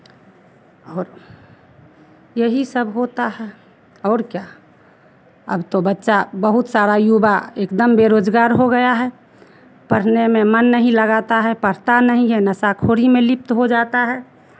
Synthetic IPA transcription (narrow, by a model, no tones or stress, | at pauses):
ɔːɾ | jəɦisəbɦoːt̪aɦɛ | ɔːɾkja | ə̰bt̪obətːʃabəɦʊt̪saːɾajubaeːkd̪əmbeɾoːd͡ʒɡaːɾɦoɡəjaɦɛ | pəɾ̤nemẽmənːəɦĩləɡaːt̪aɦɛpəɾ̤t̪anəɦĩɦɛnəsakʰoːɾimẽlɪp̚t̪ɦod͡ʒaːt̪aɦɛː